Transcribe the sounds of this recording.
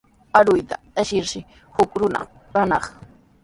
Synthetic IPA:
aɾʊjt̪a̰ | aʃɪɾʃɪ | hʊkɾʊna̰ | kanɑχ

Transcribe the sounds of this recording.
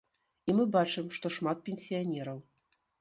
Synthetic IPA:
imɨbat͡ʂɨmʂt̪ɔʂmat̪̚pʲenʲsʲijanʲɛɾɐw

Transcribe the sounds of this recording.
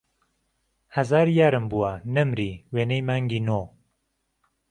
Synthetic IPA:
hɐzaːɾjaːɾɨmbuanɨmɾiːweːnejmaːŋɡinoː

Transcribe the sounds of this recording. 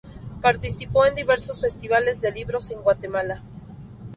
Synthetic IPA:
paɾt̪isipo̞e̞nd̪iβe̞ɾso̞sfe̞st̪iβale̞zðe̞liβɾo̞se̞ŋɡwat̪e̞mala

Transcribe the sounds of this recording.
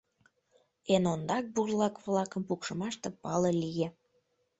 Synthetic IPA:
enond̪ɑk̚burlɑkβlɑkəmpukʃəmɑʃt̪epɑlelije

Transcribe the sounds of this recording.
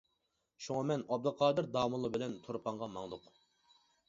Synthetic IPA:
ʃuŋɑmɛnɑb̚d̪ɨqʰɑːd̪ɨɾd̪ɑːmɨlˠːɨbɪlɛnt̪ʰuɾpʰɑŋʁɑmɑŋd̪ʊq

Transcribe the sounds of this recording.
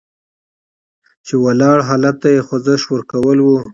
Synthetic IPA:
t͡ʃewalɑɽɦɑlat̪ːajexozəʃwəɾkawəlwu

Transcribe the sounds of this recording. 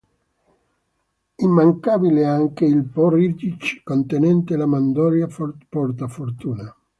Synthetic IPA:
imːaŋkabileaŋkeilpɔrid͡ʒ̪it͡ʃkont̪enɛnt̪elamand̪ɔɾjafpɔɾt̪afoɾt̪uːna

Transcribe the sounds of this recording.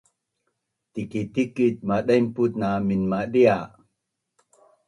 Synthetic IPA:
t̪ikit̪ikit̪̚maɗajmput̪̚naminmaɗia

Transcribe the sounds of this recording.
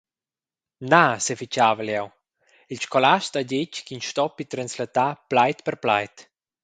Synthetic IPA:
nasefit͡ʃaːvəljaw | ilʃkɔlaʃtaɟeckinʃt̪ɔpit̪ɾanslat̪aplajt̪pɛrpla̰jt̪

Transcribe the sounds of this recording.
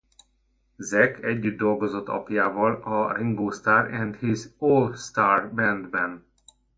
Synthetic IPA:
zɛkʰɛɟːyd̪̚d̪o̞lɡozo̞t̪ːɒ̰pjaːvɒlɒriŋboːst̪aːrɛnd̪hizoːlst̪aːrbɛnd̪bɛn

